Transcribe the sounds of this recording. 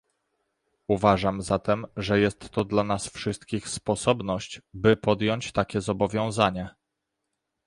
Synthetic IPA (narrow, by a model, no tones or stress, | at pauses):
uvaʐamzat̪ɛmʐɛjɛst̪ːɔd̪lanasfʂɘst̪̚kʲixspɔsɔbnɔɕt͡ɕbɘpɔd̪jɔɲt͡ɕt̪akʲɛzɔbɔvʲjɔ̃w̃zaɲɛ